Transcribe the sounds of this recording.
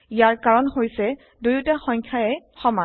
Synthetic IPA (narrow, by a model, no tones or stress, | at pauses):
ijaɹkaɹɔnhojsɛ | dujutaxɔŋkʰjaɛxɔma